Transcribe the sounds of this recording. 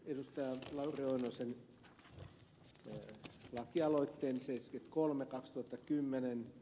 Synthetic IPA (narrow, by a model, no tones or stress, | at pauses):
edust̪ɑjɑlɑurioinosen | lɑkiɑloit̪ːeːnsesket̪kolmekɑkst̪uhɑt̪ːɑkymːenen